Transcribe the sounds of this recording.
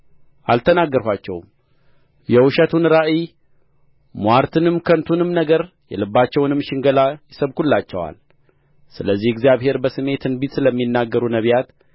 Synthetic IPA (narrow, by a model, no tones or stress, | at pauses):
ʔalt̪ʰənaɡːəɾhat͡ʃːɛ̰wm | jɛwʊʃət̪ʰunɨɾaʔi | mwaɾt̪ʰɨnɨmkʰənt̪ʰunɨmnəɡəɾ | jɛ̰lɨbːat͡ʃːɛwnɨmʃɪŋɡəlajɪsəβkulːat͡ʃːɛwa̰l | sɨləzːihɨɡzijaβhe̞ɾbəsɨmːe̞t̪ʰɨnbit̪sɨləmːinːaɡːəɾunəβjat̪